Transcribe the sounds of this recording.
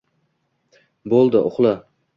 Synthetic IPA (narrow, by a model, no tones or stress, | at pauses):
bolˠd̪ɪʔʊ̰χlˠa